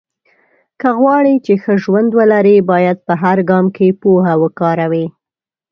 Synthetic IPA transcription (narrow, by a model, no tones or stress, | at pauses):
kəɣwɑɽit͡ʃexəʒwand̪wəlaɾibɑjad̪̚pəɦaɾɡɑmkepoɦawəkɑɾawi